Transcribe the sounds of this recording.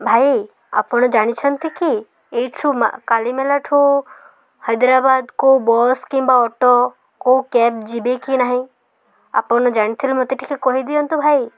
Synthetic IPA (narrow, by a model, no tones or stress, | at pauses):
bʱaːi | a̰pɔñɔd͡ʒaɽ̃it͡ʃʰənt̪ʰiki | et͡ʃʰuma̰kaːlimelaʈʰu | həjd̪ɾabaːd̪koubɔskĩmbaɔʈo | koukɛːb̚d͡ʒibekinaːɦĩ | a̰pɔnɔd͡ʒaɽ̃it̪ʰilmɔt̪eʈʰikekoɦid̪iont̪ubʱaːi